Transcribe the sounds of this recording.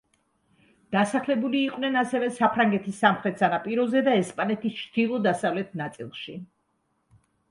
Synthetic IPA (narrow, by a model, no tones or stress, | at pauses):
d̪̥asaχlɛbuliːqʼwnɛnasɛvɛsapʰɾaŋɡɛt̪ʰisːamχɾɛt̪sanapʼiɾɔzɛd̪aɛspʼanɛt̪ʰist͡ʃʰd̪̥ilˠɔd̪asavlɛt̪ʰnat̪sʼḭlˠʃi